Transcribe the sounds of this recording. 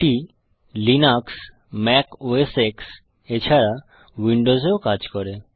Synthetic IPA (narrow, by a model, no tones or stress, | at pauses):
ʈi | linaks | mɛkoeseks | et͡ɕʰaɾa | wiɳɖozeokad͡ʑkɔɾe